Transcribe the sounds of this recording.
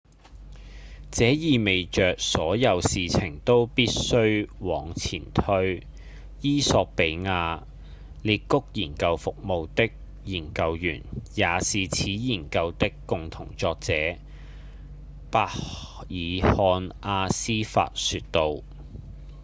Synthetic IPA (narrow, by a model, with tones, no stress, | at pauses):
t͡sɛː˨˥jiː˨me˨jt͡ʃœː˨k̚sɔː˨˥jɐ˨˧wsiː˨t͡sʰɪ˨˩ŋt̪o˥wpiː˥t̚sɵ˥ɥwɔː˨˧ŋt͡sʰḭː˨˩nt̪ʰɵ˥ɥ | jiː˥sɔː˧k̚pe˨˥jŋaː˧ | liː˧t̚kʊ˥k̚jiː˨˩nkɐ˧wfʊ˨k̚mo˨˧wt̪ɪ˥k̚ | jiː˨˩nkɐ˧wjy̰ː˨˩njaː˨˧siː˨t͡sʰiː˨˥jiː˨˩nkɐ˧wt̪ɪ˥kːʊ˨ŋt̪ʰʊ˨˩ŋt͡sɔː˧k̚t͡sɛː˨˥ | paː˧jiː˨˧hɔː˧nʔaː˧siː˥fa̰ː˧t̚syː˧t̚t̪o˧w